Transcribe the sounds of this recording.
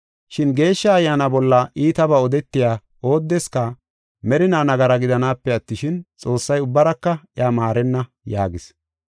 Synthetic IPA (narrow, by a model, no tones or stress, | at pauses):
ʃɪnɡe̞ːʃːɐːjːaːnɐbɔlːɐʔiːt̪ɐbɐɔd̪ɛt̪ːɪjaː | o̞ːd̪ːɛskɐ | mɛɾɪnaːnɐɡɐɾɐɡɪd̪ɐnaːpːɛɐt̪ːɪʃɪnt͡sʼo̞ːsːɐjʊbːɐɾɐkːɐjaːmaːɾɛnːɐ | jaːɡɪs